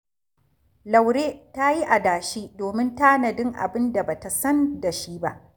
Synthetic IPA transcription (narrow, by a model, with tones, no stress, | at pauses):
la˨wɾeː˦ta˦ji˦ʔa˨daː˨ʃiː˦doː˨mɪ˦ntaː˦nɐ˨dɪ˦ŋʔa̰˨bɪ˦nda˨ba˨ta˨sɐ˦nda˨ʃiː˦ba̰˦ʔ